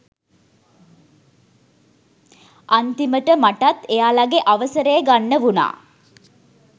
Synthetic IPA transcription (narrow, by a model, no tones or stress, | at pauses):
ʔant̪iməʈəmaʈat̪ejaːlaɡeʔaʋəsəɾəjəɡanːəʋuna̰ː